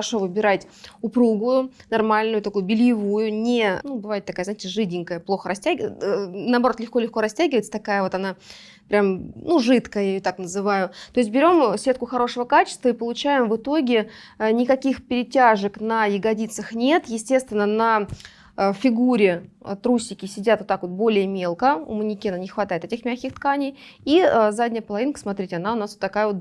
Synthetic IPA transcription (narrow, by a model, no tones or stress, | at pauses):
ʂo̞vɨbʲɪɾatʲ | ʊpɾuɡʊjʊnɐrmalʲnʊjʊt̪ɐkujʊbʲɪlʲjɪvujʊnʲɪnubɨvajɪt̪̚ːɐkajəznɪtʲɪʐɨdʲɪŋʲkəjəplˠo̞xəɾɐsʲtʲæɡʲənəːbɐɾot̪lʲɪxko̞lʲɪxko̞ɾɐsʲtʲæɡʲɪvəɪt̪sə̥t̪ɐkajəvo̞t̪ɐna | pɾʲamnuʐɨt̪kəjajot̪aknəzɨvajʊt̪o̞ɪs̬ʲt̚ʲbʲɪɾʲo̞msʲe̞t̪̚kʊxɐɾo̞ʂəvəkat͡ɕɪ̥st̪vəipəlˠʊt͡ɕæjɪmvɨt̪o̞ɡʲɪ | ənʲɪkɐkʲixpʲɪɾʲɪtʲaʐəknəjɪɡɐdʲit̪səxnʲe̞t̪jɪsʲtʲe̞st̪ʲvʲɪnːənə | fʲɪɡuɾʲɪ̰t̪ɾusʲːɪkʲɪsʲɪdʲat̪vot̪akvo̞t̪̚bo̞lʲɪjəmʲe̞lˠkəʊ̰mənʲɪkʲiananʲɪxvɐt̪ajɪt̪etʲɪxmʲaxʲkʲɪxt̪kanʲɪjiəzadʲnʲɪjəpəlˠɐvʲinkə̥smɐt̪ɾʲitʲɪɐnaʊnasvot̪ːɐkajəvo̞t̪